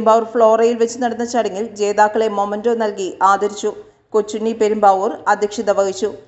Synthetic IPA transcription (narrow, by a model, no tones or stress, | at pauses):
mbɐːʋrfɭo̞ːrɐjilʋet͡ɕːunɐɽɐnːɐt͡ɕːɐɽɐŋːild͡ʑe̞ːðaːkːɐɭe̞momɐndoːnɐlkiʔaːd̪ɐɾit͡ɕːu | kot͡ɕːunːipeɾumbɐʋurɐd̪ʱjɐkʂiðɐʋɐɣit͡ɕːu